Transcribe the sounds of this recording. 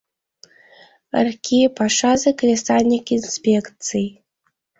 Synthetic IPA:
ə̰rkʲʰipaʂazɨklʲesanʲikʲinspʲekt͡sɨj

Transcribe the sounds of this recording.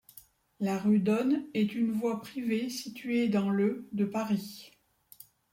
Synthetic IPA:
laʁyd̪ɔnɛt̪ynvwapχivesit̪ɥed̪ɑ̃lød̪əpaʁi

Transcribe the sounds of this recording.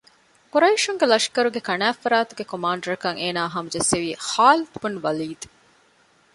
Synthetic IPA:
kuɾɐiʃuŋɡelɐʃi̥kɐɾuɡekɐnæːfːɐɾaːt̪uɡekomaːɳɖɐɾɐkɐŋeːnaːɦɐmud͡ʒeseʋiːhaːlit̪bunʋɐliːd̪e

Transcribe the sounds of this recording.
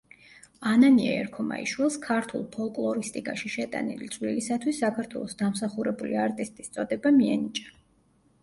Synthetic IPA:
ananiɛ̰ɛɾkʰɔma̰ḭʃwilˠskʰaɾt̪ʰulˠpʰɔlˠkʼlˠɔɾist̪ʼikʼaʃiʃɛt̪ʼa̰nilit̪sʼwlilisat̪ʰwisːakʰaɾt̪ʰwɛ̰lˠɔsd̪amsaχuɾɛbuliaɾt̪ʼist̪ʼist̪sʼɔd̪ɛbamiɛnit͡ʃʼa

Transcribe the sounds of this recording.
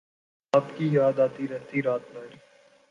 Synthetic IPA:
aːpkijaːd̪aːt̪iɾəɦt̪iɾaːt̪maɾi

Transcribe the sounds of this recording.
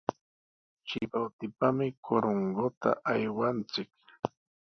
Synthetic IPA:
t͡ʃɪbawt̪ɪpamɪkʰoɾoŋɢot̪a̰ʔajwant͡sɪk

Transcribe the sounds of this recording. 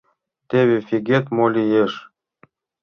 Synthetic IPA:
t̪eβefʲiɡet̪molʲijeʃ

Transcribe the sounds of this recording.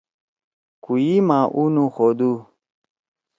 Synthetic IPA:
kujimãʔunũxod̪u

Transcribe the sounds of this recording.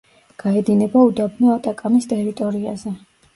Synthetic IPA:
ɡ̥aɛd̪inɛbaud̪abniɔat̪ʼakʼamist̪ʼɛɾit̪ʼɔɾiazɛ

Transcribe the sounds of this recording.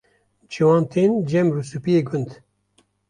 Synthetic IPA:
d͡ʒiwɑːnt̪ʰeːnd͡ʒɛmɾusupijeːɡʊnd̪

